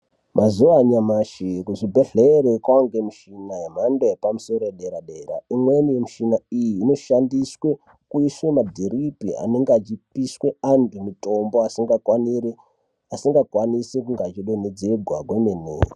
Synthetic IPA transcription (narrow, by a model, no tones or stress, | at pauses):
mʔazuʋaɲamaʃikuʐibʱeɮeɾekwaoŋɡemuʃinajem̤andoepamuso̞ɾoeɗe̞ɾaɗe̞ɾa̰imwenijemuʃinaijiːno̞ʃandiswe | kuiswemadʱiripia̰ne̞ŋɡat͡ʃipiswe̞andimuto̞mbo̞asiŋɡakwanie | asiŋɡakwanisekuŋɡat͡ʃiɗened͡ze̞ɡʱwakwemenḛːo